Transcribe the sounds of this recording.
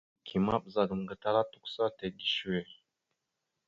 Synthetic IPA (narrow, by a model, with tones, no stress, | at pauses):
kʰi˨ma˦bza˨ɡə˨m˨ɡə˨ta˦la˦tu˦ksa˦te˨ɡi˦ʃu˦we˨